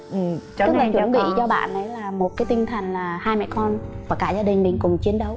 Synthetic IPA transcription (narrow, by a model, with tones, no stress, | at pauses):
ʔɨ˨˩˧ə˧˦˥ŋlə˨˩t͡ɕɓḭ˧˨zɔ˧ɓa̰ː˧˨nʔə˨˦jlaː˨˩mo˨˩kaː˨˦jt̪ï˧ŋ̟t̪ʰə˨˩ŋ̟laː˨˩haː˧jmɛ̰˧˨kɔ˧nvaː˨˩kaː˧˩zaː˧ɗï˨˩ŋ̟mï˨˩ŋ̟kʊ˨˩ŋ͡mt͡ɕi˨˦ənɗə˨˦w